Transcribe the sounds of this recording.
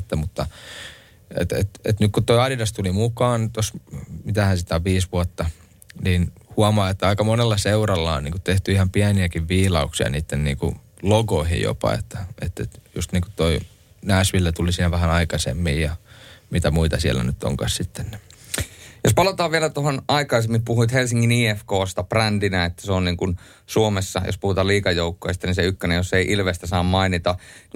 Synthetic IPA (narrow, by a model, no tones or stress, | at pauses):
t̪ːæmut̪ːɑ | ḛt̪ḛt̪ḛt̪nykkut̪oiɑdidɑst̪ulimukɑːnt̪osmit̪æhænsit̪æoʋʋiːsʋuɑt̪ːɑ | niːnhuɑmɑːet̪ːæɑikɑmonelːɑseurɑlːɑonniːŋkutt̪eht̪yihɑmpiæniækiʋʋiːlɑuksiɑ̰niːt̪ːennḭːŋkṵ | loɡoihḭjjo̰pɑ̰ḛt̪ːæḛt̪ːet̪just̪niːŋku̥tt̪oi | næːsʋilːæt̪ulisiːnæʋæhænɑikɑsḛmːiːjjɑmit̪æmuit̪ɑsiæ̰lːˑæ̰nyt̪ːo̰ŋkɑ̰ssit̪ːenː | jospɑlot̪ɑːʋʋielæt̪oɦonʔɑikɑisemːimpuhuit̪helsiŋːiniːefkoːst̪ɑprændinæet̪ːæ̥seonniːŋkun | suomesːɑ̰jo̰spuhut̪ɑːliːkɑjoukːojst̪ɑniseykːønejjosːeiʔilʋest̪æsɑːmmɑinit̪ɑ